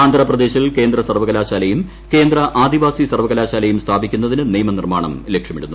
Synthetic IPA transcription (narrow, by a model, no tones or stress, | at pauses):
aːnd̪ʱɾɐprɐd̪e̞ːɕilke̞ːnd̪rɐsɐrʋɐɣɐlaːɕaːlɐjum | ke̞ːnd̪rɐʔaːd̪iʋaːsisɐrʋɐɣɐlaːɕaːlɐjumst̪ʰaːbikʲːunːɐðinɨnijɐmɐnirmaːɳɐ̰milekʂɐmiɽunːu